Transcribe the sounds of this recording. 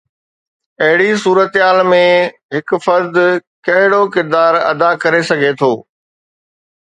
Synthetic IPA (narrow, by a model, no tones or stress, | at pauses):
ɐɦɪɽisuːɾət̪ɦaːlmẽɦɪkfɐɾd̪kɐɦɪɽokɪɾd̪aːɾɐ̰d̪akɐɾesɐɡʱet̪ʰoː